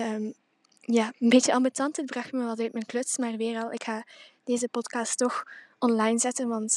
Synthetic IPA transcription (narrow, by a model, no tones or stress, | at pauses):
əːm | jaːənbeːtəʔɑmbytɑntəd̚brɑxtməʋɑtœɥtmɛnklɵtsmaːrʋɪːrɑlˠʔɪkxaːd̥eːzəpɔtkɑːstːɔxɔnlɑjnzɛtənʋɑnt